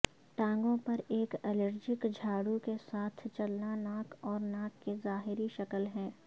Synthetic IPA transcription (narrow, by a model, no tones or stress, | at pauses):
ʈãːŋɡõpɐɾeːkɛləɾd͡ʒɪkd͡ʒʱaːɽukesaːt̪ʰt͡ʃɐlnanaːkɔːɾnaːkːezaːɦɪɾiʃɐkəlɦɛ̃ː